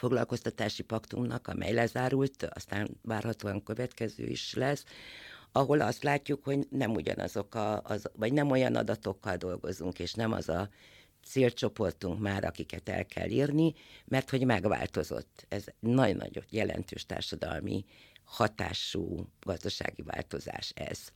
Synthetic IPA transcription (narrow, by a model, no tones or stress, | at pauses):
fo̞ɡlɒlko̞st̪ɒt̪aːʃipɒkt̪umnɒkɒmʔɛjlɛzaːɾult̪ɒst̪aːnvaːrhɒt̪oːɒŋkø̞vɛt̪kɛzø̰ːḭʃlɛs | ɒɦo̞lɒst̪laːcːukho̞ɟnɛmuɟɒ̰nɒ̰zo̞kɒzvɒɟnɛmo̞jɒnʔɒ̰d̪ɒt̪o̞kːɒld̪o̞lɡo̞zuŋkeːʃnɛmɒ̰zɒ | t̪seːlt͡ʃo̞po̞rt̪uŋkmaːɾʔɒkikɛt̪ɛ̰lkʰɛ̰lːiːrnimɛrt̪ho̞ɟmɛɡʋa̰ːlt̪o̞zo̞̰t̪ːɛzɛnɒɟnɒ̰ɟot̪jɛlɛ̰nt̪øːʃt̪a̰ːrʃɒd̪ɒlmi | hɒt̪a̰ːʃuːɡ̥ɒzd̪ɒʃa̰ːɡiva̰ːlt̪o̞za̰ːʃɛ̰z̥